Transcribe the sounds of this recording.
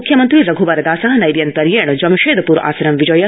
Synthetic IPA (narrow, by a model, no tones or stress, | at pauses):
kʰjɐmɐnt̪ɾiɾɐɡʱuʋaɾɐd̪aːsaɦɐnɐjʋijɐnt̪ɐɾjeːɳd͡ʒɐmʃeːd̪ɐpuːɾa̰ːsɐɾɐmʋid͡ʒɐjɐ